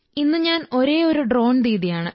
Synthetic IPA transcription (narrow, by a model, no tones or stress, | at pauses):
inːɨɲaːno̞ɾe̞ːoɾuɖro̞ːɳd̪iːðijaːɳɨ